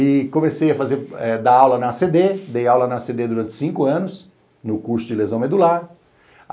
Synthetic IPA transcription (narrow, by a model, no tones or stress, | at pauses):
ɪkõmesejɐfazeɾɛd̪aawlɐnɐːsed̪ed̪ejawlɐnɐːsed̪ed̪uɾɐ̃nt͡ʃ̪ɪ̥sĩkʊɐ̃nʊs | nʊkuɾsʊd͡ʒɪlezɐ̃w̃med̪ulaɾ